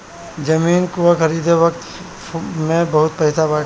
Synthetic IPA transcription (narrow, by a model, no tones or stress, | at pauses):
d͡ʒɐmiːnkuwaxɐɾiːd̪ʱeʋɐkt̪ | mẽbɐɦʊt̪̚pɐɦɪsabaː